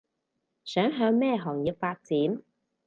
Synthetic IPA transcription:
sœː˨˥ŋɦœː˧ŋmɛː˥ɦɔː˨˩ŋji˨˧p̚faː˧t̚t͡siː˨˥n

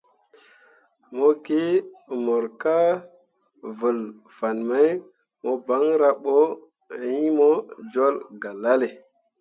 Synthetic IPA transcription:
mo˦ki˦mo˨ɾka˦ | və˨l | fa˨nma˦j | mo˨ba˨˦ŋɾa˦ɓo˦ | ji˦mo˦d͡ʒo˦lɡa˨la˦le˨

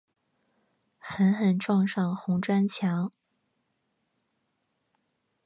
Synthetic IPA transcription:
xə˧˥nxə˨˩nʈ͡ʂwɑ˥˧ŋʂɑ˥˩ŋxʊ˧˥ŋʈ͡ʂwa˥nt͡ɕʰjɑ˧˥ŋ

